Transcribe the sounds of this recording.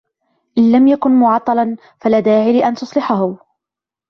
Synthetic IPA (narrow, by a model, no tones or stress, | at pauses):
ʔɪnlamjakʊnmʊʕɑt̪ˤːɑlɑn | falaːd̪aːʕilɪʔant̪ʊsˤlɪħaɦʊ